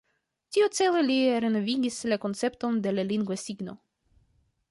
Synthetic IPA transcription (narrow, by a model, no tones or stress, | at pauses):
tiut͡seleliɾenoviɡʲislako̞nt͡se̞pt̪o̞nd̪elaliŋɡvesiɡno̞̰